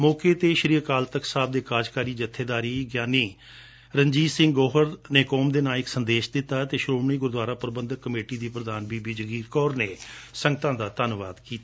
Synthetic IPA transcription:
mɔːkeːt̪eːʃəɾiːəkaːlt̪əksaːb̚d̪eːkaːd͡ʒkaːɾiːd͡ʒət̪ʰːeːd̪aːɾiːɡjaːniː | ɾəɲd͡ʒiːsɪ̃ŋɡɡɔːɦəɾneːkɔːmd̪eːnaːlɪksənd̪eːʃd̪ɪt̪ːaːt̪eːʃɾoːmɳiːɡʊɾd̪waːɾaːpəɾəbə̃nd̪əkːəmeːʈiːd̪iːpɾəd̪aːnbiːbiːd͡ʒəɡiːɾkɔːɾneːsəŋɡt̪ãːd̪aːt̪ənʋa̰ːd̪kiːt̪a

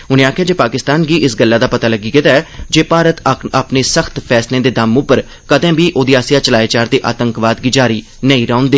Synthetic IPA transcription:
ʊnẽːaːkʰjaːd͡ʒeːpaːkɪst̪aːnɡiːʔɪsɡəlːaːd̪aːpət̪aːləɡiːkɪt̪aːɛːd͡ʒeːpaːɾət̪aːpneːsəxt̪pʰɛːslẽːd̪eːd̪amʊpəɾ | kəd̪ɛ̃ːbiːʔoːd̪ɪaːsijaːt͡ʃəlaːeːt͡ʃaːɾd̪eːʔa̰ːt̪əŋkʋaːd̪ɡiːd͡ʒaːɾiː | nəĩːɾãːʊ̃nd̪eː

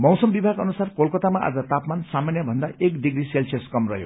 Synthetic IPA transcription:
mʌwsʌmbibʱaɡʌnusarkolkʌt̪amaʔa̰d͡zʌt̪apmansamanjʌbʱʌnd̪aekd̪iɡɾiselseskʌmrʌ̰ɦjo̰

